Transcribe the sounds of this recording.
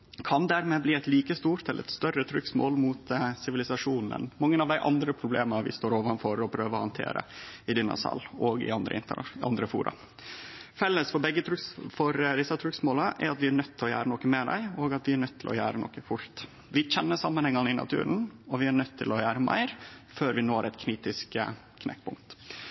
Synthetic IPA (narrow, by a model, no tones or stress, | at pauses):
kʰɑnd̪æɾmɛbliːæɪt̪liːkəst̪uːɾt̪ɛləɾɛ̰t̪st̪œɾət̪ʰɾʏksmo̰ːlmut̪sɪʋɪlɪsɑʂuːnnɛ̰nmɑŋːənɑʋd̪æɪʔɑnd̪ɾəpʰɾʊbleːmnɾʋɪ̰st̪oːɾoːʋɑnfɔɾɔpʰɾøːʋəɔhɑnt̪ʰḛːɾə̰ɪd̪ɪnɑ̰sɑ̰lːoːɡɪ̰ɑnd̪ɾə̰ɪnt̪əʔɑ̰nd̪ɾəfṵːɾɑ̰ | fɛlːəsfɔɾbɛɡːət̪ʰɾʉfɔɾd̪ɪsːɑt̪ʰɾʉksmoːləʔɛ̰ɾɑt̪ʋɪæɳœt̪ʰːɪlɔjæ̰ːɾənɔkːəmɛd̪æ̰ɪoːɡɑt̪ʋɪæɳœt̪ʰːɪlʔɔ̰jæ̰ːɾənɔ̰kəfʊɾt̪ | ʋɪçɛnːəʂɑmːənhɛŋːɑnəɪnɑ̰t̪ʰʉ̰ːɾənɔʋɪæɳœt̪ʰːɪlɔjæːɾəmæ̰ɪɾføːɾʋɪnoːɾɛt̪kʰniːt̪ɪsk | kʰnɛ̰kːpʰʊŋkt̪